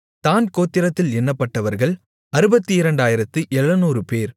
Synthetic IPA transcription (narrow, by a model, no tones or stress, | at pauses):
t̪aːnkoːt̪ːɪɾɐt̪ːɪlɛnːɐpːɐʈːɐʋɐɾɣɐɭ | ɐɾɯbɐt̪ːɯɪɾɐɳɖaːjɪɾɐt̪ːɯʔɛɭːɐnuːɾɯpeːɾ